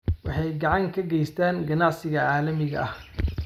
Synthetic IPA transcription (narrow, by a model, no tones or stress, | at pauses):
wɑħɑjɡɑʕɑŋkʰɐɡɛjst̪ʰaːnɡɐnɑʕsɪɣɐʕaːlɐmɪɣɐ̰ʔɐh